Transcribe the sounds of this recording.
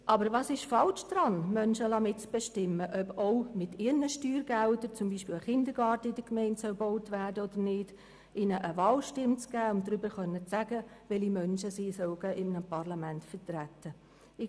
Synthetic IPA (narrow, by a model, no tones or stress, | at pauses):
ʔɑbəɾvɑːsɪʃfɑlʃd̥ɾɑnmœnʃəlɑmɪtt͡sb̥ɛʃtɪmːəʔœboʊmɪtɪːɾnəʃtyːɾɡæltəɾt͡sʊmbiːʃpɪːləχɪndəɡɑːrtəɪd̥əkmɛɪntsœwbowtʋæːrdəod̥əɾnɪːd | ʔɪnəʔəvɑːlʃtɪmt͡sɡ̥æːʊndɾʏbəɾχœnːət͡sæɡəʋɛlimœnʃəsiːsœwɡ̥ɛːʔɪmnəpʰɑʁlɑmæntfətrætːə